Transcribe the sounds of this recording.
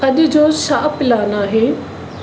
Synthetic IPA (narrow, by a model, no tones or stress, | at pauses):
ɐʄʊ̆d͡ʑoːʃaːpɪlaːnaːɦeː